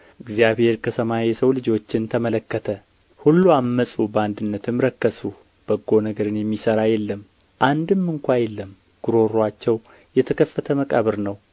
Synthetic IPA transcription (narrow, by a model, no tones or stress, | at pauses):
ʔɨɡzjaβhe̞ɾkʰəsʰəmajɛsəwlɨd͡ʒo̞t͡ʃːɪnt̪ʰəmələkːət̪ʰə | hulːuamːəsʼubəand̪ɨnːət̪ʰɨmɾəkːəsu | b̥əɡːo̞nəɡəɾɨnjɛmːisəɾajɛlːəm | ʔand̪ɨmːɨŋkʷajɛlːəm | ɡ̥uɾo̞ɾat͡ʃːɛw | jɛt̪ʰəkʰəfːət̪ʰəməkʼa̰βəɾnəw